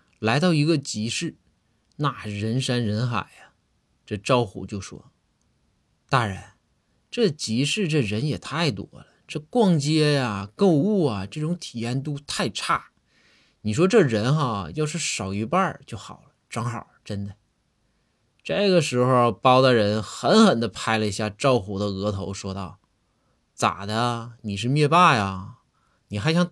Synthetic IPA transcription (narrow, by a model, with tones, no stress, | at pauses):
la˧˥ɪɾɑ˥˩ʊi˧˥ɡə˧t͡ɕi˧˥ʂɻ̩˥˩ | na˥˩ɻə˧˥nʂa˥nɻə˧˥nxa̰˨˩ɪɐ˦ | ʈ͡ʂɤ˥˩ʈ͡ʂɑ˥˧ʊxṵ˥˩t͡ɕjo˥˩ʊʂwɔ̰˥ | t̪a˥ɻə̰˧˥n | ʈ͡ʂɤ˥˩t͡ɕi˧˥ʂɻ̩˥˧ʈ͡ʂɤ˥˩ɻə˧˥njɛ˨˩t̪ʰa˥˩ɪt̪wɔ̰˥lə˨ʈ͡ʂɤ˥˧kwɑ˥˩ŋt͡ɕjɛ˥ja˨ko˥˧ʊu˥˩ɐ˩ʈ͡ʂɤ˥˩ʈ͡ʂʊ˧˥ŋt̪ʰi˨˩jɛ˥nt̪u˥t̪ʰa˥˧ɪʈ͡ʂʰa˥˩ | ni˨˩ʂ̬wɔ˥ʈ͡ʂɤ˥˩ɻə˧˥nxa˥˧jɑ˥˧ʊʂɻ̩˥˩ʂɑ˨˩ʊi˧˥pa˞˥˧t͡ɕjo˥˩ʊxɑ̰˨˩ʊlə˦ʈ͡ʂɑ˥ŋxɑ̰˥˩ʈ͡ʂə˥nd̪ə˨ | ʈ͡ʂa˥˩ɪɡə˩ʂɻ̩˧˥xo˧ʊpɑ˥ʊd̪ə˧ɻə˧˥nxə˧˥nxə˨˩nd̪ə˦pʰa˥ɪlə˨i˧˥ɕja˥˩ʈ͡ʂɑ˥˩ʊxu˧˥d̪ə˧ɤ˧˥t̪ʰo˧˥ʊʂwɔ˥t̪ɑ˥˩ʊ | t͡sa̰˨˩d̪ə˦ni˨˩ʂɻ̩˥˧mjɛ˥˧pa˥˩ja˩ | ni˨˩xa˧˥ɪɕjɑ˥ŋ